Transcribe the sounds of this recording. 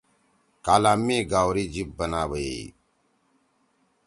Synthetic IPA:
kaːlaːmĩːɡaːwɾiːd͡ʒip̚bənaːbəjḛ

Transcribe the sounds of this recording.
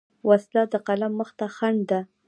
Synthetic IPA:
waslɑd̪əqalamːəxt̪axaɳɖd̪a

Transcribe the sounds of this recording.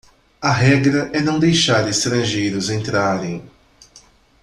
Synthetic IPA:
ɐɦɛɡɾɐʔɛnɐ̃w̃d̪ejʃaɾɪst̪ɾɐ̃ʒejɾʊzẽnt̪ɾaɾẽj̃

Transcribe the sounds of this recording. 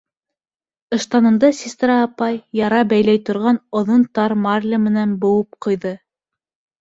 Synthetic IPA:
ɤ̆ʃt̪ɑnɤ̆md̪ɑsʲist̪rɑːpɑjːɑɾɑbæjlæjt̪ŏɾʁɑnŏðont̪ɑɾmarʲlʲamɘ̆nænbŏwɤp̚qŏjðɤ

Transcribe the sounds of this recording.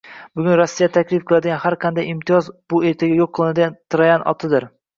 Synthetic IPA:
bʊɡʲʊnɾasːijat̪ʰakʲʰlɪfqʰɨlˠad̪ɪɡʲanhaɾqʰɑnd̪ajɪmt̪ʰɪjɒzbʊe̞ɾt̪ʰaɡʲajoqʰːɨlˠɪnad̪ɪɡʲant̪ʰɾajanɒ̰t̪ʰɪd̪ɪɾ

